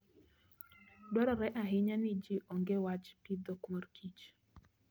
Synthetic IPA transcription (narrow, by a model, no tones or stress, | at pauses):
dwɔɾɔɾɛʔaɦɪɲanid͡ʒiʔoŋɡewat͡ʃpid̪ɔkmorkʰit͡ʃ